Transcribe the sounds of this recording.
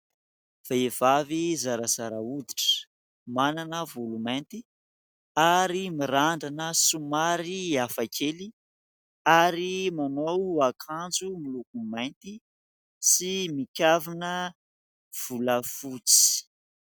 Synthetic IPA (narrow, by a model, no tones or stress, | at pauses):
v̥eev̥avizaɾəz̥aɾaud̪iʈ͡ʂə̥ | mananəvulumajnt̪i | aɾimiɾaɳɖ͡ʐanəsumaɾiafakʰeli | aɾimanowakʰand͡zumilukumajnt̪i | simikʲavinə | v̥uləfut͡si̥